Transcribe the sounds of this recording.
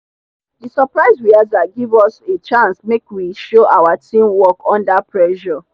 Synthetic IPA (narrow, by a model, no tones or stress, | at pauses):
disɔpɹaɪzwiazaɡivɔset͡ʃãnsmekwiʃoʔawatĩmwɔkʰɔ̃ndapʰɹɛʃɔ